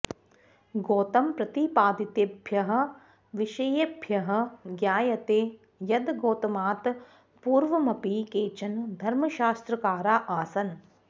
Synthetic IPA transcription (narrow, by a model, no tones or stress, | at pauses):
ɡoːt̪ɐmpɾɐt̪ipaːd̪it̪eːbʱjɐɦɐ̆ | ʋiʃɐjebʱjɐɦɐ̆ɡjaːjɐt̪eː | jɐd̪ɡoːt̪ɐmaːt̪ | puːɾʋɐmɐpiːkeːt͡ʃɐnd̪ʱɐɾmɐʃaːst̪ɾɐkaːɾaːʔaːsɐn